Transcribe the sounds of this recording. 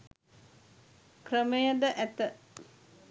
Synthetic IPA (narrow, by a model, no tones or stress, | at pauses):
krəməjəd̪əʔæt̪ə